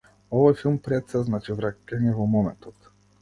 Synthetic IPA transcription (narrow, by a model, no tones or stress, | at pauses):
ɔvɔjfilˠmpɾɛt̪sɛznat͡ʃivɾakɛnɛvɔmɔmɛ̰nt̪ɔt̪